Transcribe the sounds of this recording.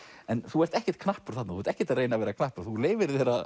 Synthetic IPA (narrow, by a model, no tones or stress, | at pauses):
ɛnθuɛɾst̪ɛhcɛ̥t̪kʰnahpʏɾ̥θat̪naθuɛɾt̪ɛhcɛɾt̪aðrejnavɛːɾakʰnahpʏɾ̥θuleːjvɪɾθɛɾa